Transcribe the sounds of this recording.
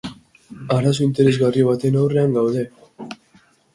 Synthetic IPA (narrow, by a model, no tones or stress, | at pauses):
aɾas̬o̞int̪e̞ɾe̞zɣario̞β̞at̪e̞nawre̞aŋɡawðe̞